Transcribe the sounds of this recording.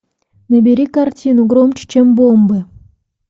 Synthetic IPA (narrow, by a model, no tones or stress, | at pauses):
nɘ̆bʲeɾʲikartʲinuɡromt͡ɕə̥t͡ɕemʲbombɨ